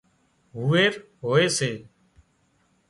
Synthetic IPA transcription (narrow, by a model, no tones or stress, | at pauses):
ɦuːeːɾ | ɦoːeːseː